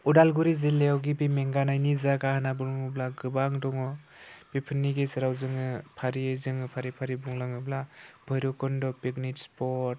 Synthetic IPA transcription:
udalɡuɾizelewɡibimeŋɡanajnizaɡahanabuŋaŋɯblaɡɯbaŋdɔŋɔ | bipʰɯnːiɡesɯɾawzɯŋɯpʰaɾiezɯŋɯpʰaɾipʰaɾibuŋlaŋɯblab̥ʱɔjɾɔkɔndɔpiknitspɔɾɾt̚

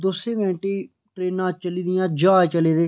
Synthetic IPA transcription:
d̪oseːʋɛ̃ːɳʈeː | ʈɾeːnãːt͡ʃəliːd̪ɪjãːd͡ʒaːt͡ʃəleːd̪eː

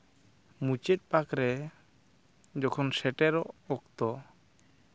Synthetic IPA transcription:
mut͡ʃɛt̪̚pakɾɛ | d͡ʒɔkʰɔnsɛʈɛɾɔʔɔk̚t̪ɔ

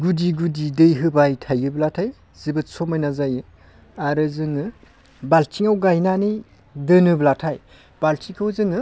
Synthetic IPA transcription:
ɡudiɡudidɯjɦɯbajtʰajɯblatʰaj | z̥ibɯtsomajnazajɯ | aɾɯzɯŋɯ | baltʰiŋawɡajnanɯj | dɯnɯblatʰaj | b̥altʰikawzɯŋɯ

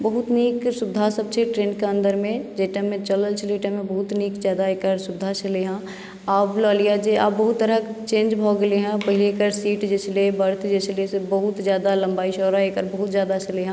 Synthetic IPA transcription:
bəɦʊt̪niːksʊd̪ʱasəb̚t͡ʃʰeʈɾẽːnkeə̃nd̪əɾmẽd͡ʒeːʈəmẽt͡ʃələlt͡ʃʰleːʈəmẽbɐɦʊt̪niːkzjaːd̪aeːkəɾsʊd̪ʱat͡ʃəleɦã | aːblɔːlijad͡ʒeʔa̰ːbbəɦʊt̪ːəɾət͡ʃẽːnd͡ʒbʱɔɡəleɦɛ̃pɐɦɪlekəɾsiːʈd͡ʒɛslebəɾt̪ʰd͡ʒɛːslesebəɦʊt̪zjaːd̪alɐ̃mbaːiʃɔːɾaeːkəɾbɐɦʊt̪zjaːd̪at͡ʃəleɦã

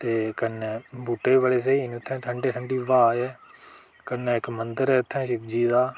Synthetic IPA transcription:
t̪eːkənːɛːbuːʈːeːbaːleːs̬eːiːnːt̪ʰːɛ̃ːʈʰəɳɖeːʈʰəɳɖiːʋaːɛː | kənːɛːɪkmənd̪əɾɛːʊt̪ʰːɛ̃ːʃɪkd͡ʒiːd̪aː

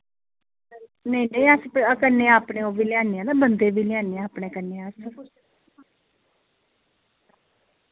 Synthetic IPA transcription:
neiːneĩːaspəkənːeːaːpɳẽːoːʋiːlɪãːneãːd̪aːbənd̪eːʋiːlɪjãːneːãaːpɳeːkənːeːas

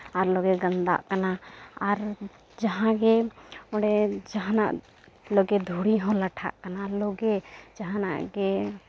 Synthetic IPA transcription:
ɔɾloɡeɡənd̪a̰ʔkənaaɾ | d͡ʒəɦãɡeoɽed͡ʒəɦana̰ʔ | loɡed̪ʱuɽiɦɔ̃ləʈʰa̰ʔkənaloɡed͡ʒəɦãna̰ʔɡe

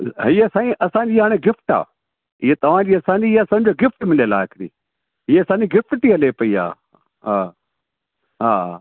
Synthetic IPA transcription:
ɦiɐsãːĩːʔɐsãːɲd͡ʑiːɦaːɽ̃eɡɪfʈa̰ː | ɪɦet̪ɐʋ̤ãd͡ʑiːɐsãːɲd͡ʑiɐsãd͡ʑoːɡɪfʈmɪlelaːekɪɾḭː | ɦieɐsãːɲd͡ʑiɡɪfʈt̪iɦɐlepɐia̰ː | ɦaː | ɦaː

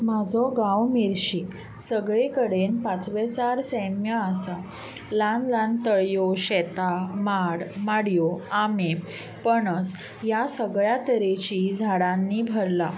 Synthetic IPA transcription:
mad͡zʱɔɡãwmiɾɕi | səɡɭekəɽenpãt͡sʋet͡saɾsɛmjəəsa | lãnlãnt̪əɭjoɕɛt̪amaɽmaɽjoame | pəɳət͡s | jasəɡɭjat̪əɾet͡ɕid͡zʱaɽãnːiːbʱəɾla

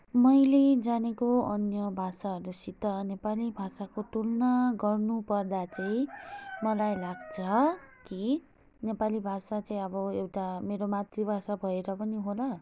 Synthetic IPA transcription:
mʌjled͡zanekoʌnjʌbʱasaɦʌɾusit̪ːʌnepalibʱasakot̪ulnʌɡʌrnupʌrd̪at͡saĩmʌlajlaɡt͡sʰʌki | nepalibʱasat͡saĩʌbʌewʈameɾomat̪ribʱasabʱʌeɾʌpʌniɦolʌ

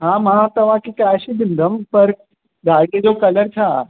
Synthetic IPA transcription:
ɦãːmãt̪ɐʋ̤ãkikaːʃid̪ɪnd̪ʱəmpɐɾ | d̪aːɾked͡ʑokɐləɾt͡ɕʰaː

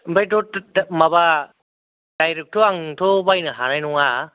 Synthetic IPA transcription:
bajdɔtmaβa | d̥ajɾek̚tʰoaŋtʰobajnɯɦanajnɔŋa

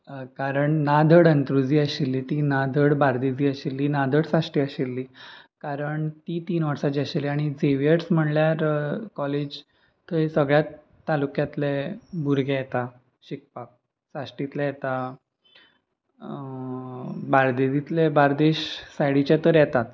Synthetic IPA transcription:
kaɾəɳnad̪ʱəɽənt̪ɾud͡ziːəɕilːiːt̪inad̪ʱəɽbaɾd̪ed͡ziːəɕilːiːnad̪ʱəɽsaʂʈiːəɕelːiːkaɾəɳt̪iːt̪iːnʋəɾsat͡ɕiəɕelːiaɽ̃id͡zeʋjeʈsm̤əɳljaɾkɔled͡ʑ | t̪əɦesəɡɭjat̪ː | alukjat̪lebʱuɾɡʱajet̪a | ɕik̚pak̚ | saʂʈit̪lɛjet̪a | baɾd̪ed͡zit̪lɛbaɾd̪eɕsajɽit͡ɕjat̪əɾjɛt̪at̪

